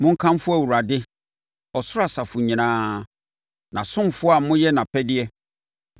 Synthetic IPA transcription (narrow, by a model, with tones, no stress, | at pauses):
mʊ̃˦ŋ̩˦kʰã˦m˦fʊ˦æ˨wu˨a˨dɪ˦ | ɔ˨sʊ˦ɾa˨sa˨fʊ˨ɲĩ˨nãː˦ | nã˨sʊ̃˦m˨fʊ˦a˨mʊ̃˦jɛ˦nã˨pʰɛ˦dɪ˦ɛ˦